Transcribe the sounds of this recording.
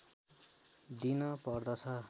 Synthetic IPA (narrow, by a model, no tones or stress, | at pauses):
d̪inʌpʌrd̪ʌt͡sʰʌ